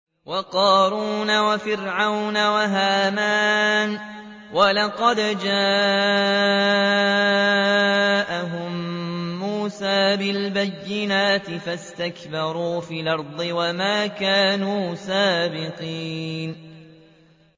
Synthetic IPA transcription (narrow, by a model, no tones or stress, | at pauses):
wɑqɑːɾuːnawafɪɾʕawnawaɦaːmaːn | walɑqɑd̪d͡ʒaː | ʔaɦʊmː | uːsaːbɪlbajːɪnaːt̪ɪfast̪akbɑɾˤuːfiːlʔɑɾˤd̪ˤɨwamaːkaːnuːsaːbɪqiːn